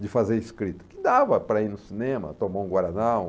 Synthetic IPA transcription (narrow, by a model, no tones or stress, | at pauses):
d͡ʒɪfazeɾɪskɾit̪ɐ̥kɪd̪avɐpɾɐinʊsinẽmɐ̰t̪omaũɡwaɾanaw